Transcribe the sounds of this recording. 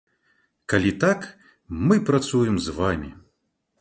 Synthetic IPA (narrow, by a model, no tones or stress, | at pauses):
kalʲit̪ak | mɨpɾat̪sujɛmzvamʲḭ